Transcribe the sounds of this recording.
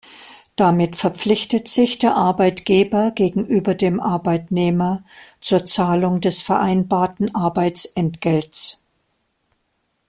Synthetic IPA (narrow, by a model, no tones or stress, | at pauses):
d̥amɪtfɛɐp͡flɪçtətz̥ɪçd̥eːɐʔaɐbaɪtɡ̥eːbɐɡeːɡŋ̩ʔyːbɐdeːmʔaɐbaɪtneːmɐt͡suːɐt͡saːlʊŋdɛsfɛɐʔaɪnbaːɐtn̩ʔaɐbaɪt͡sʔɛntɡ̥ɛlts